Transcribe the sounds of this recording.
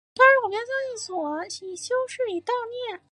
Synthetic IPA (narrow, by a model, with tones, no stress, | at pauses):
t̪wa˥ʂɻ̩˥˩wɔ˨˩˥jɑ˥˧ʊt͡ɕjɑ˥˧i˥˩swɔ˨˩˦ɕi˨˩ɕjo˥ʊʂɻ̩˥˩i˨˩t̪ɑ˥˧ʊnjɛ˥˩n